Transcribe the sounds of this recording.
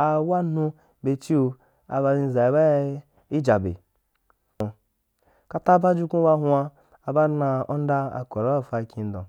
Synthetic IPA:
a˨wa˦nũ˧ | be˨t͡ʃi˦u˧ | a̰˨ba˧ɾi˦˧˨za˨i˨ba˦ | i˦d͡ʒa˨bḛ˨ | ka˦ta˦ba˦d͡ʒu˦kũ˦ba˦hʷa˧ | a˨ba˦na˧o˦n̩˦da˦a̰˨ko˨ɾa˨˦ba˦˨fa˨kʲĩ˨n̩˦dɔ̰̃˨

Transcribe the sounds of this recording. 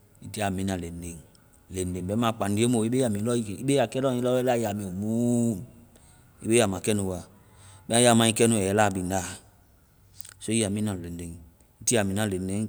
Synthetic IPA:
i˨ti˦a˨mĩ˨nã˨le˨n˦de˨ŋ | le˨nde˨ŋbɛ˦mã˨k͡pã˨ndi˦e˦mo˨i˦be˦ja˨mĩ˨˦lɔ˦i˦˨i˦be˦ja˨kɛ˦dɔ̃˦i˦lɔ˦ɛ˦la˦ja˨mĩ˨o˨mũ˦˨ | ḭ˦be˦ja˨mã˨kɛ˦nũ˨wa˨ | bɛ˦ã˦ja˨mã˨i˦kɛ˦nũ˧˨ɛ˨˦la˦˨bi˨nda˦˨ | so˦i˦a˨mĩ˦nã˨le˨nde˨ŋ | i˦ti˦a˨mĩ˨nã˨le˨n˦de˦

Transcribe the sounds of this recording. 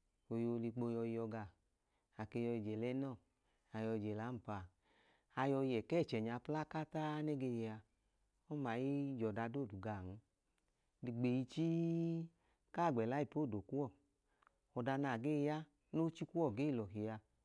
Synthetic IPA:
o˧jo˧li˧k͡po˧jɔ˧i˧jɔ˧ɡa˧˨ | a˨ke˧jɔ˧i˧˨d͡ʒɛ˨lɛ˦nɔ˦˨ | a˨jɔ˧˨d͡ʒɛ˨la˨˦m̩˨pa˨ | a˧jɔ˧jɛ˨kɛː˦˨t͡ʃɛ˨ɲa˧pla˦ka˦ta˦nɛ˦ɡe˧ja˧ | ɔ˦ma˨ji˦d͡ʒɔ˨da˧do˦˨du˨ɡa˨n̩˧˦ | li˧ɡ͡be˨ji˧t͡ʃi˦ | ka˦˨ɡ͡bɛ˨la˨˦i˦˨po˦˨do˨ku˦wɔ˦˨ | ɔ˧da˧na˧˨ɡe˦˧ja˦ | no˦t͡ʃi˦ku˦ɔ˦˨ɡe˦˨lɔ˨ɦi˨ja˧

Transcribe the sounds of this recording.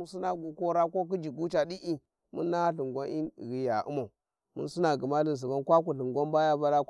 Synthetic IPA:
su˦na˦ɡu˨ko˦ɾa˦ko˦k̬i˦d͡ʒi˨ɡu˦t͡ʃa˨di˦ʔi˦ | mṵ˦nːa˦a˦ɬi˨ŋɡʷa˦ni˦˨ɣi˨ja˨ṵ˦ma˨u˨ | mṵ˦nsi˦na˨ɡi˨ma˦di˦n˨s̬i˨ba˦nkʷa˦k̬u˨ɬi˨ŋɡʷa˦mba˦ja˦ba˦la˦

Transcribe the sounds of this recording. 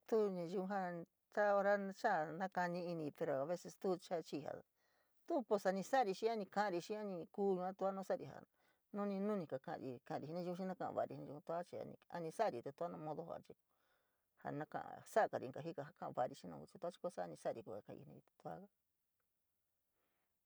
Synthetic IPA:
t̪u˦ɲã˧ʒu˧ũ˧ɦa˦ | t͡ʃa˦o˧ɾa˦t͡ʃa˦˨nã˦ka˧nĩ˧i˧nĩ˧pe˧ɾo˧a˧βe˦se˧st̪u˦t͡ʃa˦t͡ʃi˧ɦa̰˨ | t̪u˦po˧sa˧nĩ˧sa˦˨˧ɾi˧ʃĩ˦a˦nĩ˧kã˧˦ã˧ɾi˧ʃĩ˦a˦nĩ˧kuː˦ɲũ˧ã˦t̪u˧˦a˦nõ˦sa˦˨ɾi˧˨ɦa̰˨ | nũ˦nĩ˧nũ˦nĩ˧ka˧kã̰˧ɾi˧kã˧˨ã˧ɾi˧˨i˧nĩ˧u˧u˧ʃĩ˦˧nã˦kã˧ʔã̰˧βa̰˧˨˧ɾi˧i˧nĩ˧u˧ũ˧t̪u˧˦a˦t͡ʃi˧a̰˧nḭ̃˧a̰˧nĩ˧sa˦˧ɾi˧˨t̪u˧t̪u˧a˦nã˧mõ˧ðo˧ha̰˧˨t͡ʃi˧ | ha̰˧nã˧˦kã̰˧ʔa̰˧sa˦˧ka˧ɾḭ˧ŋka˨ɦi˦ka˧ɦa˧kã˦ʔβa˧˨˧ɾi˧ʃĩ˦nõ̰˧ku˧t͡ʃi˧t̪u˧˦t͡ʃi̥˧˦kʷsa˦˧ĩ˧sa˦a˧ɾi˧ku˧a˨kã˧˨˧ḭ˧nĩ˧i˧t̪u̥˧t̪u˧a̰˦ka˦

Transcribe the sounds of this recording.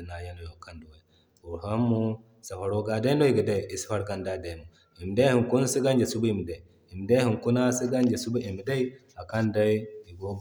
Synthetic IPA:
na˨ja˦n˨jo˨ka˦ndu˨wa˨j | u˨ɾɦa˦mːu˦ | sa˨fa˨ɾo˦ɡa˨da˦no˦i˨ɡə˨da˦˨i˨i˨si̥˦fa˦ɾka˦nda˦da˨nu˨ | i˨m˨de˦hi˨ŋku˦n˦si˦ɡa˦nd͡ʒe˨su˦bu˦i˨mi˨da˨i˨ | i˨m˨de˦hi˨ŋku˦na˦si˦ɡa˦nd͡ʒe˨su˦bu˦i˨mi˨da˦i˦ | a˨ka˦nda˦i˦i˨ɡo˦

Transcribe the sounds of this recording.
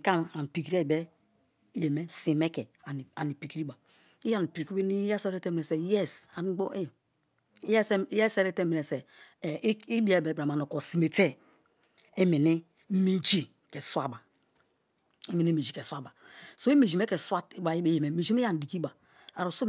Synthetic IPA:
ka˦na˨n˨pi˨kɾe˦˨be˦ | je˨me˦si˨me˦ke˨a˨n˨a˨ni˨pi˨kɾi˦ba˨ | i˦a˦n˨pi˨ɾke˦ni˦jɛ˦se˦ɾe˦te˦mi˨e˨se˨jɛ˦sa˨n˦ɡ͡bo˦˨˦ | ɛ˦sɛ˦se˦ɾe˦te˦mi˨ne˨se˨˦ | i˦bi˦e˦˨be˨bɾa˨ma˨no˨ko˨si˨me˨te˦ | e˦mi˨ni˦ | mi˦t͡ʃi˦ | ke˨swa˦˨ba˨ | i˦mi˨ni˦mi˨d͡ʒi˨ke˨swa˦ba˨so˦i˦me˨d͡ʒi˨me˦ke˨swa˦i˦ba˨i˦e˦je˨me˨˦me˨d͡ʒi˦mi˦a˦˨n˨di˨ki˦ba˨ | a˨ɾo˨so˦

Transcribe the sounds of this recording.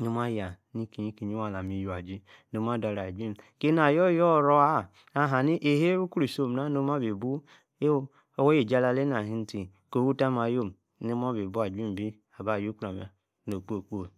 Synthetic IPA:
nu˦ma˦ja˨ | ni˦ki˨ɲi˦ki˨ɲi˦wa˦˨la˨mi˨ju˨a˨d͡ʒi˦ | no˦m˦a˦da˨ɾa˨d͡ʒʷi˦m˨ke˦na˨jɔ˦jɔ˦˨ɾo˦a˦˨ | a˨ɦa˨ni˦ʔe˨ɦe˦ɾu˦ku˦ɾi˨so˦˨m˨a˦no˦ma˦be˨bu˦ | e˦ | o˦wo˦je˨d͡ʒa˦˨la˧le˦na˨ɦi˦n̩˦ti˨ | ko˨wu˦ta˦ma˨jo˦˨m˨ | no˦ma˦be˨bu˦a˨d͡ʒi˦m˨bi˦ | a˨ba˨ju˦ku˦ɾa˨ma˨ | no˨k͡po˦˨k͡po˦˨

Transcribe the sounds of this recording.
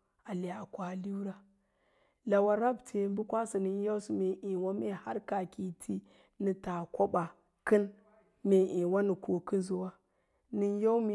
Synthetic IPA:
a˨le˨a˨kʷa˨li˦u˦ɾa˦ | la˨wa˨ɾa˦btʰe˨mbu˦kʷa˦si˨nɨ˦n˦jo˦si˦me˨ʔi˨wa˦me˦ha˦ɾka˨kʲi˨tʰi˦ | nɨ˨ta˨kʷo˦ɓa˨ | kɨ˦n | me˨ʔi˨wa˦nɨ˨ko˨kɨ˦zu˨wa˦ | nɨ˦n˦ja˦u˦me˨

